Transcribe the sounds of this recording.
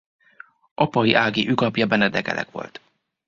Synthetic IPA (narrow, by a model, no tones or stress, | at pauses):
ʔɒpɒiʔaːɡiʔykɒpjɒbɛnɛd̪ɛkɛ̰lʔɛ̰kʋo̞̰lt̪